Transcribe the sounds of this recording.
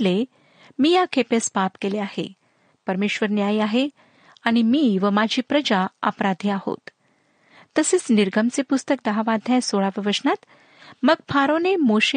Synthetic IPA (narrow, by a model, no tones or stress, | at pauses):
le | miːjakʰepespapkeleahḛ | pəɾmeɕʋəɾnjajaɦe | aɽ̃imiːʋəmad͡ʑʱiːpɾəd͡ʑaə̰pɾad̪ʱiːaho̰t̪ː | əset͡sniɾɡʱəmt͡sepust̪ək̚d̪əɦaʋad̪ʱjãsoɭaʋəʋəsnat̪ | məɡ̚fʰaɾonemoɕe